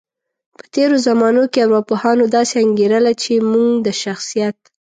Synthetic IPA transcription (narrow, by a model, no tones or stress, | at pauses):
pə̥t̪eɾozamɑnokeawɾɑpohɑnod̪ɑseaŋɡeɾəlat͡ʃemuŋɡd̪əʃaxsijat̪